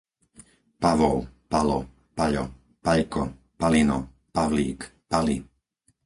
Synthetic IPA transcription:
paʋɔʊpalɔ̰ | paʎɔ̰ | paʎkɔ | palinɔ | paʋlḭːkpali

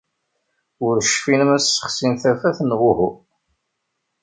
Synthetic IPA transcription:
ʊɾʃfinmæsːə̥χsimθæfæθnʁʊhu

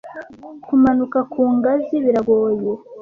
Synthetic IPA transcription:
kumanukakʰuːŋɡaziβiɾaɡoje

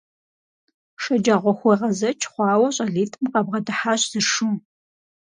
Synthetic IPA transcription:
ʃɐd͡ʒaʁʷɔxʷɔjʁɐzɐt͡ʃʰχʷɑːwɐɕʼɐɮiːtʰɨmqɐbʁɐdɨħaːɕz̥ɨʂu

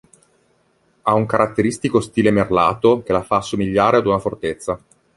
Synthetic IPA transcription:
auŋkaɾʔat̪ːeɾist̪ikost̪iːlemerla̰ːt̪ok̟elafasːomiʎːaːɾead̪unafort̪et̪sːa

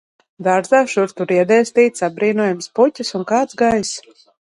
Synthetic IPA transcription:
d̪aːɾzaːʃuɾt̪uɾiɛd̪ɛjst̪iːt̪sabɾiːnuɔjamsputʲisunkaːt̪zɡajs

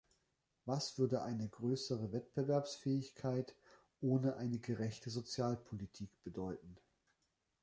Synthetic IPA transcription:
vasv̥ʏɐdəʔaɪnəɡʁøːsəʁəvɛtb̥əvɛɐpsfɛːɪçkʰaɪt | ʔoːnəʔaɪnəɡəʁɛçtəzot͡sjaːlpʰolitʰiːkb̥ədɔʏtn̩

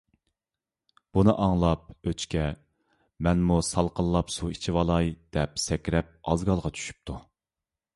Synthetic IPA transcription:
b̥unɨʔɑŋlˠɑp̚øt͡ʃkʲʰɛ | mɛnmusɑlˠqəlˠːɑpsuit͡ʃʰiwɑlˠɑjd̪̥ɛpsɛkʲɾɛp̚ɑzɡɑlˠʁɑt͡ʃʰy̥ʃy̥p̚t̪ʰu

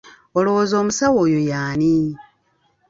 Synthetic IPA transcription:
oloozo̞ːmusawo̞ːjojaːni

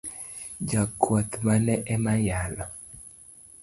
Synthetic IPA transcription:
d͡ʒakʰwɔt̪manɛʔɛmajalɔ

